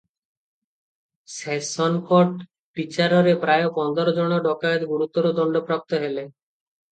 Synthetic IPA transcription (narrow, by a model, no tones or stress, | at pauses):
sesɔnkoʈ | pit͡ɕaɾoɾepɾaeopɔnd̪oɾod͡ʑonoɖɔkaed̪ɡuɾut̪ːoɾod̪ɔɳɖopɾap̚t̪oɦele